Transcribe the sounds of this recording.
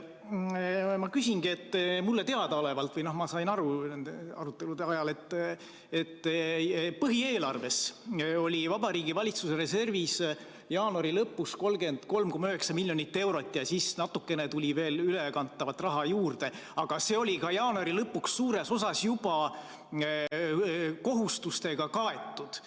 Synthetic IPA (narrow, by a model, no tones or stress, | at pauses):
mɑkysʲinɡie̞t̪ːmulːe̞t̪e̞ɑd̪ɑo̞le̞vɑlt̪vɤjno̞hmɑsɑjnɑɾunend̪eɑɾut̪ːˑe̞lud̪eɑjɑle̞t̪ːˑ | et̪ːpɤɦie̞ːlɑrve̞so̞lʲivɑbɑɾiːɡivɑlʲit̪suse̞ɾe̞se̞rvis | jɑːnuɑɾilɤpːusko̞lɡe̞nd̪̥ko̞lmko̞mɑyɦe̞ksɑmilʲːjo̞nit̪ːe̞wɾo̞t̪ʲːˑjɑsisnɑt̪ːˑukːe̞net̪ulʲive̞ːlylekɑnt̪ːˑɑvɑt̪ːˑrɑɦɑjuːrd̪e̞ɑɡ̥ɑse̞o̞lʲikɑjɑːnuɑɾilɤpːukssuːɾe̞so̞sɑsjub̥ɑ | ko̞ɦust̪ust̪e̞ɡ̥ɑkɑe̞t̪ːˑud̪̥